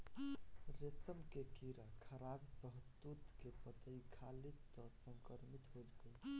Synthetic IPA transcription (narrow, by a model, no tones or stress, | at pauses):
ɾesəmkekiɾakʰəɾabsəɦt̪ut̪kepət̪əikʰalit̪ːɔsəŋkəɾmit̪ɦod͡ʒɡəj